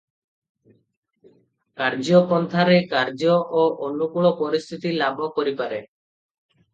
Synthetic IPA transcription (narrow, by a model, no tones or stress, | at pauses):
kaɾd͡ʒɔpɔnt̪ʰaɾekaɾd͡ʒɔʔoʔonukuɭɔpɔɾist̪ʰit̪ilabʱɔkɔɾipaɾe